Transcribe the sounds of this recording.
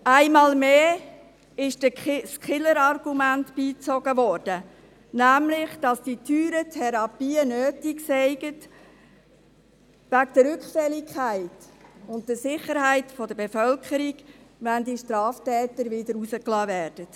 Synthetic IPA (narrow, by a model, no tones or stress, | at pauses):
æɪmɑːlmeː | ɪʃd̥əskʰɪləɾɑrɡumæntb̥iːt͡sɔɡəvɔɾd̥ə | næmlɪχd̥ɑsd̥itʰyːɾətʰɛɾɑpiːənøːtiksɛɪɡət | vækd̥əɾʏkχfɛlikʰæɪtʊnt̚d̥əsɪχəɾhæɪtfɔd̥əbefœlkʰəɾiɡʋændiʃtɾɑːftɛːtəɾʋɪdəɾusəklɑːvæːɾd̥ət